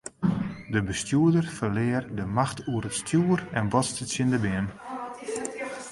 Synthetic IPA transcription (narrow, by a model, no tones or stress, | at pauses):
dəbəstjuədərfərlɪːərdəmaxtʰuəɾətstʰjuːərɛnʋɔtstəsjɪndəbɪən